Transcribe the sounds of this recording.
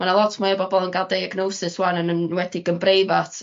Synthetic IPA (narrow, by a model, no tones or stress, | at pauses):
manalˠɔtʰmajəbɔbɔlˠənɡalˠdejaɡnowsɨswanənənwɛdiɡəmbrejvatʰ